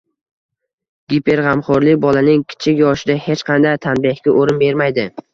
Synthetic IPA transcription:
ɡʲipʰe̞ɾʁɑmχʊɾlɪk̚ʲbɒlanɪŋkʲʰɪ̥t͡ʃʰɪkʲjɒʃɪd̪ahe̞t͡ʃqʰɑnd̪ajt̪ʰanbɪhɡʲaʔoɾɪnbe̞ɾmajd̪ɪ

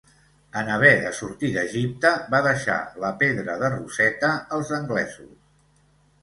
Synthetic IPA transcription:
ənəβɛðəsuɾt̪iðəʒip̚t̪əbaðəʃa̰ləpeðɾəðərusɛt̪əːlˠzəŋɡlɛ̰zṵs

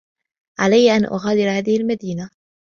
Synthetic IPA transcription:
ʕalajːʔanʔʊ̰ɣaːd̪ɪɾhaːðɪhɪlmad̪iːna

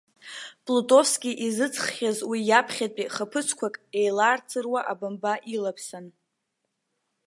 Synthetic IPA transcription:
pʼlutʼo̞fskʲʼiʔizɨt͡sʰχːʲazwijapʰχʲapʼiχəpʰɨt͡sʰkʷʰakʼe̞jlaːrt͡sʰɨrwaʔabambaʔilapʰsan

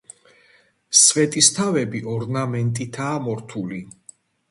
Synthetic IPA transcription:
svɛt̪ʼist̪ʰavɛbiʔɔɾnamɛnt̪ʼit̪ʰaːmɔɾt̪ʰuli

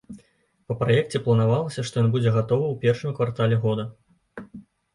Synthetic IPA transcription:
pɐpɾajɛk̚t͡sʲɛplˠɐnavalˠɐsʲɐʂt̪ɔjɔnbud͡zʲɛɣat̪ɔvɨwpʲɛrʂɨmkvart̪alʲɛɣɔd̪ɐ

